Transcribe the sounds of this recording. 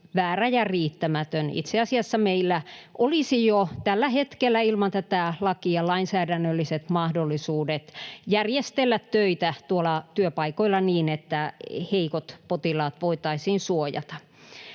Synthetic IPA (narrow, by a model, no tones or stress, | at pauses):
ʋæːræjɑriːt̪ːæmæt̪ønḭt̪seɑsiɑsːɑmeilːæʔolisijot̪ælːæhet̪kelːæilmɑnt̪æt̪ælɑkiɑlɑinsæːdænːølːiset̪mɑhdolːˑisuːdet̪jærjest̪elːæt̪tøit̪æt̪uolɑt̪yøpɑikoilːɑniːnet̪ːæheikot̪pot̪ilɑːt̪ʋoit̪ɑisiːnsuojɑ̰t̪ɑ̥